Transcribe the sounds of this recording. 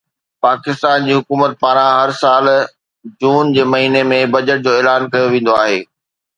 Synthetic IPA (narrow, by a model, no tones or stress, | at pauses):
paːkɪst̪aːnd͡ʑiːɦʊkuːmət̪̚paːɾ̃ãɦɐɾsaːl | d͡ʑuːnd͡ʑeːmɐɦiːnemẽbɐd͡ʑəʈ̚d͡ʑoːɛːlaːnkɐjoʋẽːnd̪oaːɦeː